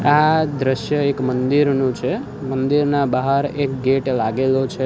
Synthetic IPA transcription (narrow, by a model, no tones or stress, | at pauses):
ad̪ɾəʃjəekmənd̪iɾnũt͡ʃʰe | mənd̪iɾnabaɦəɾek̚ɡeʈlaɡelot͡ʃʰe